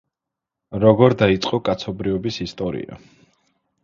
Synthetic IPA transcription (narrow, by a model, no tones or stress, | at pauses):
ɾɔɡɔɾd̪ait̪sʼqʼɔkʼat̪sʰɔbɾiɔbisist̪ʼɔɾḭa̰